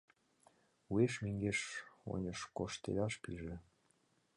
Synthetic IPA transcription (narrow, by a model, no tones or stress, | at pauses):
ueʃmeŋɡeʃo̰nʲəʃkoʃt̪ḛlʲɑʃpiʒĕ